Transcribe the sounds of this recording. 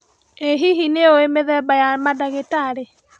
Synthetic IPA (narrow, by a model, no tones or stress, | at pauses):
eɦiɦineoemeðɛbajamadaɣetaɾe